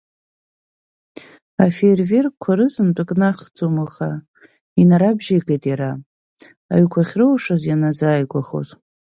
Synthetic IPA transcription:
aferve̞rkʷʰaɾɨzɨmtʷʼɨkʼnaχd͡zomɨχa | inaɾabʒeqʼejtʼjaɾa | a̰ɥkʷʰaχʲrɨwʂazjanazaːjɡʷaχo̰z

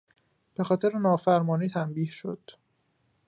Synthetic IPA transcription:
b̥e̞xɒːt̪ʰeɾenɒːfæɾmɒːniːt̪ʰæmbiːhʃo̞̰d̪̥

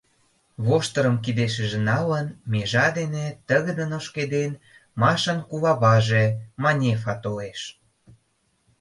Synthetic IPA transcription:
βoʃt̪ə̆ɾə̆mkid̪eʃə̆ʒĕnɑlənmeʒɑd̪enet̪əɣəd̪ənoʃked̪en | mɑʃənkuβɑβɑʒemɑnʲefɑt̪oleʃ

